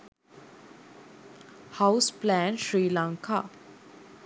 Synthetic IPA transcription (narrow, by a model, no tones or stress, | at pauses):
haʊsplɛ̃nʃɾiːlãŋkʰa